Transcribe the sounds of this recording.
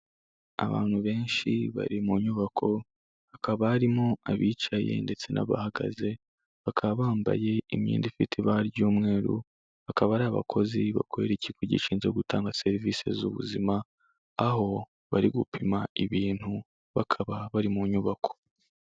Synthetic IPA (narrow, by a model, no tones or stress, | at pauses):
a̰βa̰ːn̥huβe̞ːnʃiβa̰ɾimuɲuβakʰo̞ | hakaβaːɾimoaβiːt͡ʃaje̞̰nde̞t͡se̞nʔa̰βahaɡa̰ze̞ | βakʰaβaβaːmba̰je̞imɲḭːndifitʰiβaɾɟuːmŋe̞ːɾṵ | βakaβaɾaːβa̰kʰo̞ziβakwoeɾecikoɟḭʃiːnzeoɡutaːŋɡase̞ɾiviːse̞̰zṵβṵzimaː | ɦo̞ | βaɾiɡupʰimaiβiːn̥hu | βakʰaβaβaɾimuɲuβakʰo̥